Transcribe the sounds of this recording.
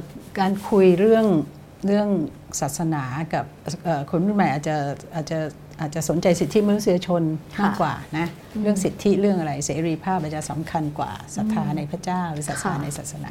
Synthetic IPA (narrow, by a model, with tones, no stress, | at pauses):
kaː˧nkʰu˧jɾɯ˥˩əŋ | ɾɯ˥˩əŋ | saː˨˩t̪̚sa˧naː˩˦ka˨˩p̚ʔəː˨˩kʰo˧npu˥˩nma˧˩jʔaː˨˩t̪̚t͡ɕa˨˩ʔaː˨˩t̪̚t͡ɕa˨˩ | ʔaː˨˩t͡ɕa˨˩so˩˦nt͡ɕa˧jsi˨˩t̪ʰːi˦˥ma˧nu˥si˧ja˧t͡ɕʰo˧naː˥˧˩kwa̰ː˨˩na˦˥ | ɾɯ˥˩əŋsi˨˩t̪ʰːi˦˥ɾɯ˥˩əŋʔa˧ɾa˧jseː˩˦ɾiː˧pʰaː˥˩p̚aː˨˩t͡ɕa˨˩sa˩˦mkʰa˧nkwa̰ː˨˩sa˨˩t̪ʰːaː˧na˧jpʰɾa˥t͡ɕaː˥˩wɾɯ˦saː˨˩t̪̚sʰnaː˨˧˦na˧jsaː˨˩t̪̚sa˧na̰ː˩˦